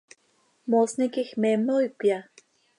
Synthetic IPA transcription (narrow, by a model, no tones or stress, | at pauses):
mosnekihmemoipja